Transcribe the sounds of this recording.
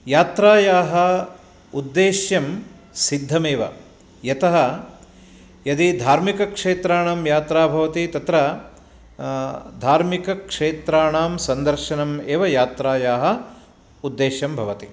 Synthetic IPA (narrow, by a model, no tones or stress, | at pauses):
jaːt̪ɾaːjaːɦɐ | ud̪ːeːʃjɐm | sid̪ʱːɐmeːʋɐ̰ | jɐt̪ɐɦɐ | jɐd̪id̪ʱaːɾmikɐkʂeːt̪ɾaːɳaːmjaːt̪ɾaːbʱɐʋɐt̪it̪ɐt̪ɾɐ | d̪ʱaːɾmikɐkʂeːt̪ɾaːɳaːmsɐnd̪ɐɾʃɐnɐmeːʋɐjaːt̪ɾaːjaːɦɐ | ud̪ːeːʃjɐmbʱɐʋɐt̪i